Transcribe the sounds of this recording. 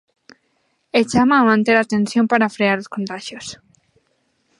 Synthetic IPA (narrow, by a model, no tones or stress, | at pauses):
et͡ʃamamãnt̪eɾaːt̪ẽnsjompaɾafɾeaɾoskont̪aʃjos